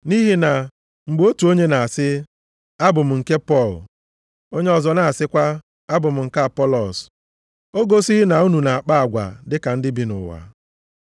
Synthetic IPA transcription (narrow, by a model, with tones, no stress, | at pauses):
ni˦ɦi˦na˨ | ŋ͡m̩˨ɡ͡bo˦tu˨o˦ɲe˦na˨a˨sɪ˦ | a˦bʊ˨m̩˨ŋ̩˨ke˦pɔ˦˨l | o˦ɲe˦ɔ˨zɔ˨na˨a˨sɪ˦kʷa˦ | a˦bʊ˨m̩˨ŋ̩˨ka˦a˨pɔ˦lɔ˨s | o˦ɡo˦si˦ɦi˦na˨u˦nu˨na˨a˨k͡pa˦a˨ɡʷa̰˨dɪ˦ka˨n̩˦dɪ˦bi˦nʊ̰˨wa̰˨